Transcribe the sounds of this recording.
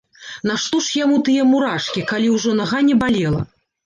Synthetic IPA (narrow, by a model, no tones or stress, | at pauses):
naʂt̪ɔʂjamut̪ɨjɐmuɾaʂkʲikalʲiwʐɔnɐɣanʲɛbalʲɛlˠɐ̰